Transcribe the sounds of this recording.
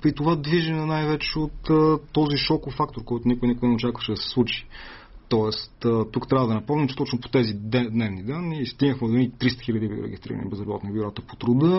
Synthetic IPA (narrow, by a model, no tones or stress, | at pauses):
pɾit̪ovad̪viʒɐnɛnajvɛt͡ʃɛot̪ːɔziʃɔkʊfak̚t̪oɾkɔjt̪ʊnikʊinikʊinɛot͡ʃakvəʃɛd̪ɐsɛ̥slˠut͡ʃi̥ | t̪ɔɛst̪ət̪ukt̪ɾʲavəd̪ɐnɐpomnimt͡ʃɛ̥t̪ɔt͡ʃnʊpo̥t̪ɛzid̪ɛd̪nɛvnid̪anist̪inəxmɛd̪onit̪ɾist̪ə̥xilʲəd̪ib̰ɾɛ̰ɡʲist̪ɾḭɾə̰nḭbɛzɾɐbɔ̰t̪nibʲuɾɔt̪əpo̥t̪ɾʊd̪ɤ